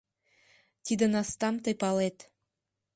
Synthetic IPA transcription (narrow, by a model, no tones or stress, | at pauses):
t̪id̪ə̆nɑst̪ɑmt̪ɤjpɑlet̪